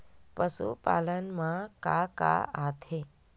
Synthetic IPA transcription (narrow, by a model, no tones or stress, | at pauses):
pəsṵpa̰lənmãkaka̰at̪ʰe